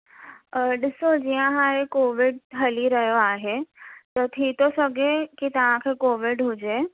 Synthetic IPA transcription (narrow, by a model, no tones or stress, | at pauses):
ɖɪsod͡ʒijãɦaːekoːʋɪɖɦɐliɾəɦjoaːɦet̪ɔt̪ʰit̪osɐɡekit̪ɐʋ̤ãkʰekoːʋɪɖɦʊd͡ʒeː